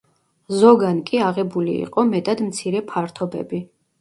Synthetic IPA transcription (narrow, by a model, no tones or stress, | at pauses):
zɔɡankʼiaʁɛbulḭːqʼɔmɛt̪ʼad̪mt̪sʰiɾɛpʰaɾt̪ʰɔbɛ̰bi